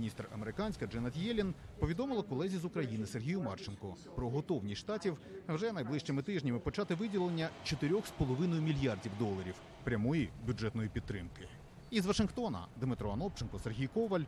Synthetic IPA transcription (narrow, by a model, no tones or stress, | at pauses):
nʲist̪rɐ̰meɾɪkɑnʲsʲkɐd͡ʒɛnɐt̪jɛlʲinpɔʋʲid̪ɔmɪlˠɐkɔlˠɛzʲizʊkɾɐjinɪserɦʲijʊmɑrt͡ʃɪnkɔpɾɔɦɔt̪ɔwnʲisʲʃt̪ɑtʲiwwʒɛnɐjblˠɪʃt͡ʃɪmɪt̪ɪʒnʲɐmɪpɔt͡ʃɑt̪ɪʋɪdʲilˠenʲːɐt͡ʃɔt̪ɪɾʲɔxspɔlˠɔʋɪnɔjʊmʲilʲjɑrdʲiwd̪ɔlˠɐɾʲiw | pɾʲɐmɔjibʲud͡ʒɛt̪nɔjipʲid̪ːɾɪmkɪ | izʋɐʂɪnxt̪ɔnɐ̰d̪mɪt̪ɾɔɐnɔpt͡ʃɪnkɔserɦʲijkɔʋɐlʲ